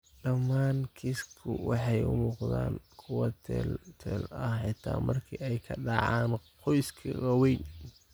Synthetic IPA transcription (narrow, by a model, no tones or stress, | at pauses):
ɖɐmːaːnkʰiskʰʊwɑħɑjʊ̰muːqða̰ːnkʰʊwɐt̪ʰɛ̰lt̪ʰɛːlɐhħɑt̪ʰaːmɐrkʰiɛjkʰɐɖɑʕɑːnqɔjskʰɐ̰ʔɔwɛjn